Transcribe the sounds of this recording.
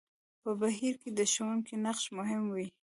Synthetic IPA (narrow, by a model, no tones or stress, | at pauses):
pəbaɦiɾked̪əʃəwunkinaqʃmʊɦɪmwi